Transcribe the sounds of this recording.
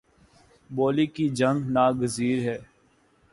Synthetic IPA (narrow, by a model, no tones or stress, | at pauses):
boːliːkid͡ʒə̃ŋɡnaːɡəziːɾɦɛː